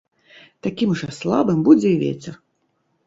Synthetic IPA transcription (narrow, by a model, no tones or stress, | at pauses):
t̪akʲimʐɛslˠa̰bɨmbud͡zʲɛjvʲḛt͡sʲɛr